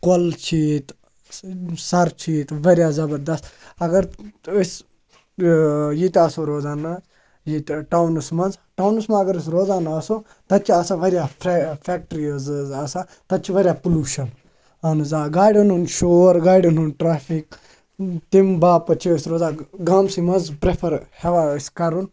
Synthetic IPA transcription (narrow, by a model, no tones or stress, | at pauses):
kolt͡ʃʰiːt̪ | sɐɾt͡ʃʰiːt̪ʋɐɾjaːzɐbɐɾd̪ɐst̪ɐɡɐɾɪs | jit̪ɐsoɾoːzaːna | jit̪ʈawnusmɐnzʈawnɨsmãɐɡəɾis̬ɾoːzaːnaːso | t̪ɐt͡ʃʰiasaʋɐɾjaːfʰɛːk̚ʈɾizzasaː | t̪ɐt͡ʃʰiʋɐɾʲjaːpuluːʃɐn | ɐnzaːɡaːɖonunʃoːɾɡaːjɖununʈɾaːfʰik | t̪imbaːpɐt͡ʃʰiɐsɾoːzaːɡaːmsimɐnzpɾepʰɐɾheʋaskɐɾun